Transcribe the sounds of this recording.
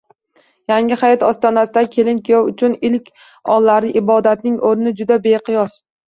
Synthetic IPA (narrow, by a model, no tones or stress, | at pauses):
jaŋʲɪhajɒt̪ɒst̪ɒnasɪd̪akʲʰe̞lɪnkʰʲijɒwʊt͡ʃʰʊnɪlkʲʰ | ɒlˠːaɾɪʔɪbɒd̪at̪nɪŋʔoɾnɪd͡ʒʊd̪abe̞qʰɨjɒs